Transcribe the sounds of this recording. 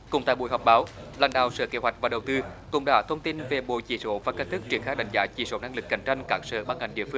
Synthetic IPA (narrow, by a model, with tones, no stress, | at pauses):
kʊ̰˨˧˩ŋ͡mt̪a̰ː˧˨jɓu˧˩əjɦɔ˨˩k͡p̚ɓaː˨˦wla̰ː˧˩nɗa̰ː˨˩wsə̰ː˧˨ke˨˦ɦwa˨˩jk̟̚vaː˨˩ɗə˨˩wt̪ɨ˧kʊ˧˩ŋ͡mɗa̰ː˧˦˥t̪ʰə˧wŋ͡mt̪i˧nve˨˩ɓo̰˧˨jt͡ɕi˧˩so˧˥vaː˨˩kə˧n̚t̪ʰɨ˦˥k̚t͡ɕi˨˩əŋxaː˧ɗa̰˧˨jŋ̟zaː˨˦t͡ɕi˧˩so˧˦na˧ŋlɨ˨˩k̚ːa˨˩ŋ̟t͡ɕa˧jŋ̟kaː˦˥k̚sə̰ː˧˨ɓaː˧nŋa˨˩jŋ̟ɗḭ˧˨əfɨ˧ŋ